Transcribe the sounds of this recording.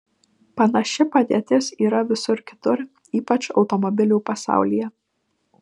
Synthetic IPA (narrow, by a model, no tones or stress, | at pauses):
pɐnɐʃʲɪpɐd̪ʲeːt̪ʲɪsiːɾɐʋʲɪsʊɾkʲɪ̥t̪ʊɾ | iːpɐt͡ʃɒʊt̪ɔmɔbʲɪlʲuːpɐsɑ̰ˑʊlʲijɛ